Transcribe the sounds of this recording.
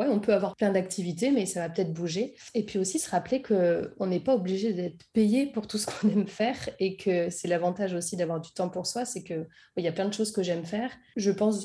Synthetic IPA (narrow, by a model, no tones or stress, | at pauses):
wɛɔ̃pøavwaʁplɛ̃d̪ak̚t̪ʰivit̪emɛsavapə̥t̪ɛt̪χbuʒeepɥiosisəʁaplekʰəɔ̃nɛpaobliʒed̪ɛt̪χpejepuʁt̪usə̥kʰɔ̥̃nɛmfɛːʁekʰəsɛlavɑ̃t̪aʒosid̪avwaʁd̪yt̪ɑ̃puʁswasɛkə | ɛiljaplɛ̃d̪əʃozkəʒɛmfɛːʁʒəpɑ̃s